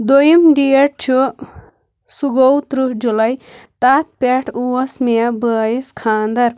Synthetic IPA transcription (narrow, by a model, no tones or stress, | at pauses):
d̪ojimɖiɐʈ̚t͡ʃʰu | suɡowt̪ɾud͡ʒulɐj | t̪at̪̚pʲeʈʰuwɐsmeɐbəːjiskʰaːnd̪ɐɾ